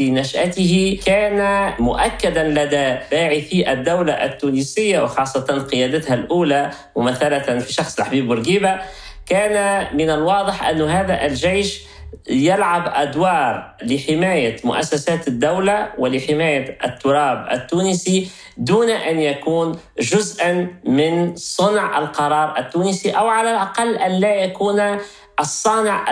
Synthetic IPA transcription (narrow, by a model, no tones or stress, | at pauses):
inaʃʔat̪ɪɦikæːnamʊʔakːad̪anlad̪ab̥aːʕifiʔæd̪ːawlaʔɪt̪ːuːnisɪjːawɪxɑːsˤːɑt̪ɑnqɨjæːd̪ɪt̪halʔuːla | mʊmaθːalat̪fiʃɑxsˤlħbiːbʊɾɡiːba | kæːnamɪnalwɑːd̪ˤəħʔa̰nːʊɦæːðaʔɪlʒejʃ | jalʕabʔad̪wɑːɾˤlɪħɪmaːjamʊ̰ʔa̰sːasaːt̪ɪd̪ːawlawɪlɪħɪmaːjaʔɪ̰t̪ːʊɾˤɑːbʔɪ̰t̪ːuːnɪsi | d̪uːnaʔanjakuːn | ʒʊzʔanmɪnsˤʊnʕʔa̰lqɑɾˤɑːɾˤʔɪt̪ːuːnɪsiʔawʕalalʔɑqɑlːʔanlaːjakuːn | ʔɑsˤːɑːnɪʕ